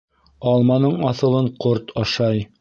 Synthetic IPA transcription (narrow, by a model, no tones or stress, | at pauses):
ɑlˠmɑnɤɴɑθɤ̆lˠɤɴqoɾt̪ʰɑʃɑj